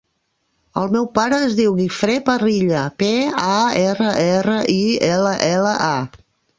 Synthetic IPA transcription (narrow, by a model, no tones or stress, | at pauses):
əlˠmɛwpaɾəːzðiwɣifɾepəriʎəpeaɛrəʔɛrəʔiɛləʔɛləʔa